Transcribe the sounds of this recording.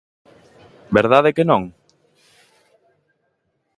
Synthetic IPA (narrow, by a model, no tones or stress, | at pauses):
beɾð̞aðekenõŋ